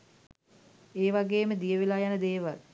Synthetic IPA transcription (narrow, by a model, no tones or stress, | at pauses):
eːʋaɡeːməd̪ijəʋelaːjanəd̪eːʋal